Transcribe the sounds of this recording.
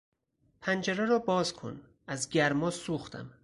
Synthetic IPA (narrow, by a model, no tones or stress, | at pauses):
pʰænd͡ʒæɾæɾɒːbɒːzkʰo̰n | æzɡæɾmɒːsuːxt̪ʰæ̰m